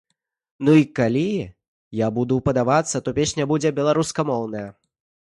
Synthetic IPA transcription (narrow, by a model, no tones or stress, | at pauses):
nuikalʲi | jabud̪upɐd̪avat̪sːɐt̪ɔpʲesʲnʲɐbud͡zʲɛbʲɛlˠaɾuskɐmɔwnɐjɐ